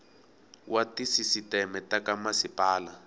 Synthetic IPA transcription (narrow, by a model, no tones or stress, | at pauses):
watisisitɛmɛtakamasipaːla